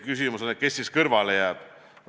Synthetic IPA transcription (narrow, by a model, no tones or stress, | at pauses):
kys̬imusonet̪̚kesːiskɤrvɑlejæːd̥